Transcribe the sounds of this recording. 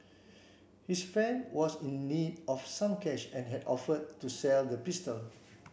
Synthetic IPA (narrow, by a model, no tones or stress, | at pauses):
hisfɛ̃nwɔsĩnːidʔɔfsãmkɛʃɛ̃nɦɛdɔ̰fədtːusɛldəpistəl